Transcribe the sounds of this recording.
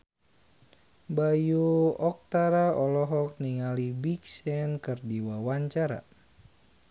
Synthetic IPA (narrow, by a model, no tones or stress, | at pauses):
bajuɔk̚t̪aɾaɔlɔɦɔk̚niŋalibiksɛnkərdiwawaɲt͡ʃaɾa̰